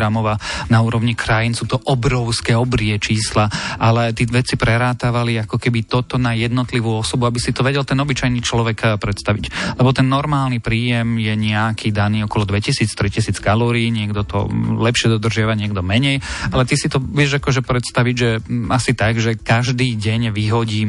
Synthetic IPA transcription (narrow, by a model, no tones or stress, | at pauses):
ɾamɔʋanauːɾɔʋɲikɾajinsuːt̪ɔʔɔbɾɔʊskɛɔbɾiɛt͡ʃiːslaalɛt̪iʋɛt͡sipɾɛɾaːt̪aʋaliakɔkɛbit̪ɔt̪ɔnajɛd̪nɔt̪liʋuːɔsɔbuabisit̪ɔʋɛɟɛlt̪ɛnɔbit͡ʃajnit͡ʃlɔʋɛkpɾɛt̪st̪aʋiclɛbɔt̪ɛnːɔɾmaːlˠnipɾiːjɛmjɛɲɛakʰiːd̪aniːɔkɔlɔd̪ʋɛcisiːt͡st̪ɾicisiːt͡skalɔːɾiːɲɪɛɡd̪ɔt̪ɔ̰lɛpʃɪɛd̪ɔd̪r̩ʒɪaʋaɲɪɛɡd̪ɔmɛɲɛjalɛt̪isit̪ɔʋɪɛʒakɔʒɛpɾɛt̪st̪aʋiɟʒɛasit̪aɡʒɛkaʒd̪iːɟɛɲʋiɦɔɟiːm